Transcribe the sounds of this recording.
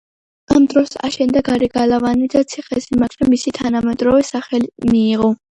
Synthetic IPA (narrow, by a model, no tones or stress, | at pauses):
amd̪ɾɔsa̰ʃɛnd̪aɡaɾɛɡalavanid̪at̪sʰiχɛsimaɡɾɛmisit̪ʰanamɛd̪ɾɔvɛsaχɛlimiːʁɔ